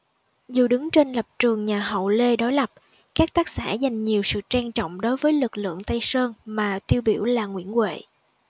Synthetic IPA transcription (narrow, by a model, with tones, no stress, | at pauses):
zu˨˩ɗɨ˨˦ŋt͡ɕe˧nlə˨˩p̚t͡ɕɨ˨˩əŋɲaː˨˩ɦə̰˧˨wle˧ɗo˨˦jlə˨˩p̚ | kaː˦˥k̚t̪aː˦˥k̚sa̰ː˧˥za˨˩jŋ̟ɲi˨˩əwsɨ̰˧˨t͡ɕaː˧nt͡ɕɔ̰˧˨wŋ͡mɗo˨˦jvəː˨˦jlɨ˨˩k̚lɨ̰˧˨əŋt̪a˧jsəː˧nmaː˨˩t̪i˧əwɓi˧˩əwlaː˨˩ŋwḭ˧˥ənkwḛ˧˨